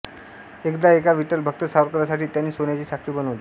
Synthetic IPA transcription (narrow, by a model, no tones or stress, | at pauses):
ekd̪aekaʋiʈəlbʱək̚t̪əsaʋɾkəɾjasaʈiːt̪janːiːsonjat͡ɕiːsʰakɾiːbənəʋliː